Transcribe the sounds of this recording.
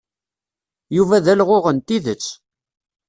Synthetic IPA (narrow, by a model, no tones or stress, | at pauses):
juvæðælʁʊʁənt̪iðət͡sː